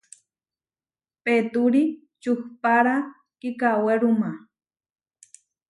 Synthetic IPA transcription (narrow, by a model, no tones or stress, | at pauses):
pet̪uɾi | t͡ʃuhpaɾa | kikaweɾuma